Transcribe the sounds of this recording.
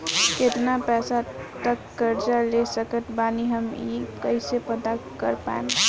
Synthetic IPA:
ket̪napɛːsat̪əkːəɾd͡ʒalesəkət̪baniɦəmikəɪsepəd̪akəɾpa̰ḛm

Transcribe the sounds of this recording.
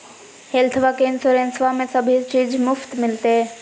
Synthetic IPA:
helt̪ʰʋakeɪnsoɾeːnsʋamẽsəbʱit͡ʃiːd͡ʒmʊft̪mɪlt̪e

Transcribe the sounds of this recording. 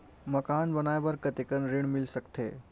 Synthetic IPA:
məkanbənajbəɾkət̪ikənɾiɳmilsəkt̪ʰe

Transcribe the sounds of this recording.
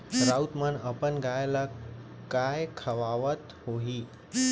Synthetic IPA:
ɾaut̪mənəpənɡajlə | kːajkʰəʋaʋət̪hoɦi

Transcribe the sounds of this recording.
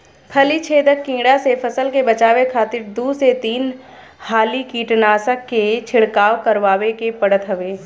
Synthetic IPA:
kʰɐlit͡ʃʰeːd̪əkːĩːɽasepʰɐsəlkebɐt͡ʃaːwekʰaːt̪ɪɾd̪uːset̪iːn | haːlikiːʈnaːsəkːet͡ʃʰɪɽkaːwkɐɾʋaːwekepɐɽət̪ɦɐʋeː

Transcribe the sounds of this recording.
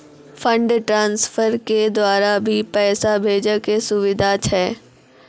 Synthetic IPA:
fʰə̃ɳɖʈɾãːnsfʰəɾked̪waːɾabʱipɛːsabʱeːd͡ʒəkesʊʋɪd̪ʱat͡ʃʰɛː

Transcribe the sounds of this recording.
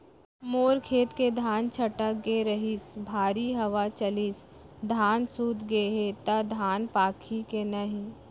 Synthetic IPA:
moːɾkʰeːt̪ked̪ʱaːnt͡ʃʰɐʈəkɡeɾɐɦɪsbʱaːɾiɦɐʋat͡ʃɐlis | d̪ʱaːnsuːt̪ɡeɦet̪ɐd̪ʱaːnpaːkʰikenɐɦĩ

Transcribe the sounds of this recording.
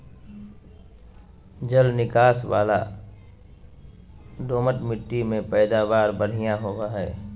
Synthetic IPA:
d͡ʒəlnɪkaːsʋaːla̰ | ɖoːməʈmɪʈːimẽpɛːd̪aːʋaːɾbəɽ̤ijãɦoʋaɦɛː

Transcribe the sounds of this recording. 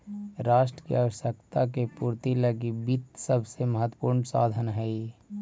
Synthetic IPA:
ɾaːʃʈɾəkḭaːwəʃjəkt̪akepuːɾt̪iləɡibit̪səbseməɦət̪wə̥puːɾɳsa̰ːd̪ʱənɦɛi

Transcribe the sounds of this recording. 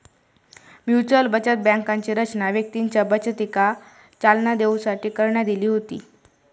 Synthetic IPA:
mjut͡ɕəlbət͡ɕət̪̚bɛ̃ŋkaɲt͡ɕiːɾət͡ɕnaʋjək̚t̪iːnt͡ɕəbət͡ɕət̪ika | t͡salnad̪eũsaʈiːkəɾɳjad̪iliːɦot̪ḭː

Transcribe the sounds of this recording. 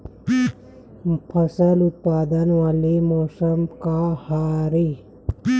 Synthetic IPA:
pʰəsəlʊt̪̚paːd̪ənʋaːlimɔːsəmkahaːɾi

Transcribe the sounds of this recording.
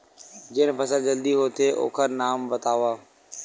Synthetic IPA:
d͡ʑɪːənpɐsəld͡ʑɐld̪iɦoːt̪ʰeʔo̰ːkʰəɾnaːmbɐt̪aːʋaː

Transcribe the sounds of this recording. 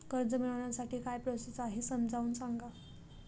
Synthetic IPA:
kəɾd͡zəmiɭaʋɳjasaʈʰiːkajpɾəsit͡saɦisəmd͡zʱauːnsaŋɡa

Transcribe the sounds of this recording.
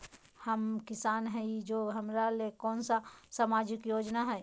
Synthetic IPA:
həmkɪsaːnɦɛid͡ʒoːɦəmɾalekɔːnsasamad͡ʒɪkjoːd͡ʒnaɦɛ

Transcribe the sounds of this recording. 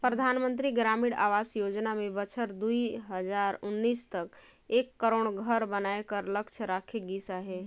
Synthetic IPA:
pɾəd̪ʱanmənt̪̬ɾiɡɾamiɽa̰ʋasjod͡ʒnamebət͡ʃʰəɾd̪ujɦəd͡ʒaɾunːist̪əkekːəɾoɳ̃ɡʱəɾbənaekəɾləkt͡ʃʰɾakʰeɡisaɦe

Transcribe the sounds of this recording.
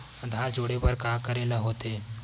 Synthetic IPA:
ə̃d̪ʱaːɾd͡ʒoːɽepəɾkaːkəɾeːlaɦoːt̪eː

